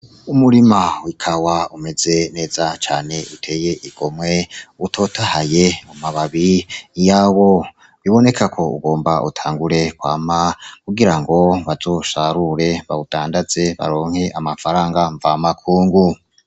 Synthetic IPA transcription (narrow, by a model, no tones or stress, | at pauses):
umuɾimawikʰawaume̞ze̞ne̞ːzat͡ʃaːne̞ʔutʰe̞ːje̞ʔiɡ̥o̞mŋe̞utʰo̞ːtʰahaje̞umaβaβijawo̞ | βiβo̞ne̞kʰakʰo̞ṵɡo̞ːmbaʔṵtʰaːŋɡuɾe̞kwaːmakuɡiɾaŋɡo̞βazo̞ʃaɾuɾe̞βa̰ud̥aːndaze̞βa̰ɾo̞ːŋ̥heʔamafaɾaːŋɡaɱvamakʰuːŋɡu